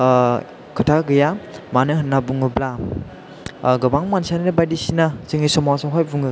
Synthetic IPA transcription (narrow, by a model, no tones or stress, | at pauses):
kʰɯtʰaɡɯjamanɯɦɯnːabuŋɯbla | ɡɯbaŋmansaninɯbajdisinaseŋisɔmasaɦɔjbuŋɯ